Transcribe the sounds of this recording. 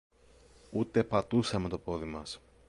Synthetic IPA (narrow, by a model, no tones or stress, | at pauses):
ut̪e̞pɐt̪usɐme̞t̪opo̞ðimɐs